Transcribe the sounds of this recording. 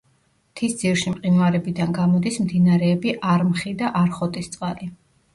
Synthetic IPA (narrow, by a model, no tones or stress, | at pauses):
t̪ʰisd̪z̥iɾʃimqʼinvaɾɛbid̪anɡamɔd̪ismd̪inaɾɛːbiʔaɾmχid̪aʔaɾχɔt̪ʼist̪sʼqʼali